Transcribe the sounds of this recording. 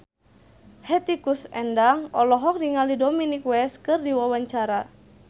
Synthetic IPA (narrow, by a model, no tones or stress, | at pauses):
hɛt̪ikusɛndaŋɔlɔɦɔk̚diŋalidominikwɛskɨrdiwawaɲt͡ʃaɾa